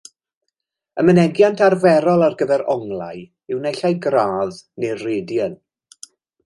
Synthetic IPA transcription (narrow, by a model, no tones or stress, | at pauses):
əmənɛɡjantʰarvɛɾɔlˠarɡəvɛɾɔŋlˠa̰j | ɪwnɛɬajɡraːðnerreːdjən